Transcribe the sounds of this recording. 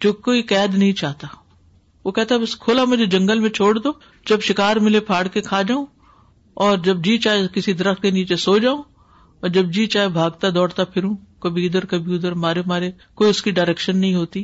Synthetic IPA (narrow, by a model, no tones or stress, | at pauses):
d͡ʒoːkoːikɛːd̪nɐɦĩt͡ʃaːɦt̪a | ʋokɛɦt̪aɦɛbɐskʰʊlamʊd͡ʒʱed͡ʒɐ̃ŋɡəlmẽt͡ʃʰoːɽd̪oː | d͡ʒɐbʃɪkaːɾmɪlepʰaːɽkekʰaːd͡ʒaːũ | ɔːɾd͡ʒɐbd͡ʒiːt͡ʃaːekɪsid̪ɐɾəxt̪̚keniːt͡ʃesoːd͡ʒaːũ | ɔːɾd͡ʒɐb̚d͡ʒiːt͡ʃaːebʱaːɡt̪ad̪ɔːɽt̪apʰɪɾũkɐbʱiʊd̪əɾkɐbʱiʊd̪əɾɦmaːɾemaːɾe | koːiʊskiɖaːɾɛkʃənːɐɦĩɦoːt̪iː